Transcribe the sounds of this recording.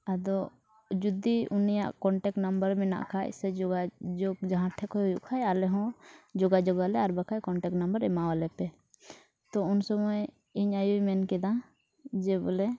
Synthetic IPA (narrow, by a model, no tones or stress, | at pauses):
ad̪ɔ | d͡ʒud̪iunija̰ʔkɔɳʈɛk̚ʈnambəɾmɛna̰ʔkʰajʔsɛd͡ʒɔɡad͡ʒɔɡ̚d͡ʒaɦãʈʰɛkɔjɦujṵʔkʰajalɛɦɔ̃d͡ʒɔɡad͡ʒɔɡalɛaɾbakʰajkɔɳʈɛk̚ʈnambəɾɛmawalɛpɛ | t̪ɔʊnsɔmɔj | iɲajumɛnkɛd̪ã | d͡ʒɛblɛ